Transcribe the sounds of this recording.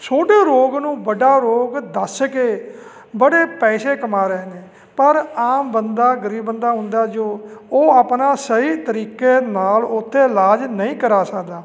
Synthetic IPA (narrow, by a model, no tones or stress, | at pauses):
soːɖeːɾoːɡnũːbəɖaːɾoːɡd̪əskeː | bəɽeːpɛːseːkəmaːɾeːneː | pəɾaːmbənd̪aːɡəɾiːbənd̪aːɦʊ̃nd̪aːd͡ʒoːoːapnaːsəɦiːt̪əɾiːkeːnaːlʊt̪ʰːeːlaːd͡ʒnəĩːkəɾaːsəkd̪aː